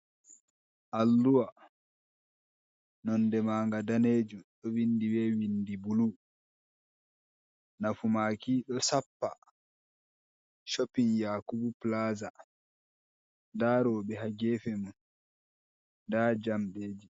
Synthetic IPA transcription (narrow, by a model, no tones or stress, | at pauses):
ʔalːuwa | nɔndɛmaːŋɡadaneːd͡ʒumɗɔwindiwɛːwindibulu | nafumaːkiɗɔsapːa̰ | ʃopːinjaːkubuplaːza | daːɾɔːɓɛɦaɡɛːfɛmun | daːd͡ʒamɗeːd͡ʒi